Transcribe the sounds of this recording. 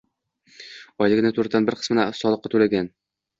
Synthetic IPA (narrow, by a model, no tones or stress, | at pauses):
ɒjlɪɡʲnɪt̪ʰɵɾt̪anbɪɾqʰə̥smɪnæsɒlˠɤqːɑt̪ʰulaɡʲan